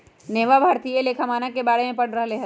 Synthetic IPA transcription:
neːʋabʱaːɾt̪ieleːkʰamaːnakebaːɽemẽpɐɽ̤ɾɐɦleːɦ

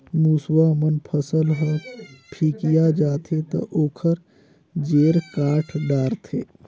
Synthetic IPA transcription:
muswamənpʰəsəlɦoːpʰiːkijad͡ʒaːt̪ʰet̪ɐ̰ʔoːkʰəɾ | d͡ʒeːɾkaːʈʰɖaːɾt̪ʰeː

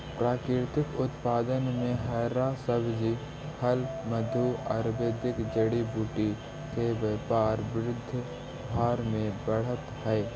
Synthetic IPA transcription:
pɾaːkɾɪɾt̪ɪkʊt̪paːd̪ənmẽɦɛːɾasəbd͡ʒi | həlməd̪ʱuɐɾbeːd̪ɪkd͡ʒəɽibuːʈi | keʋəpaːɾʋɪɾʊd̪ʱː | bʱaːɾmẽbəɽ̤ət̪hɛː

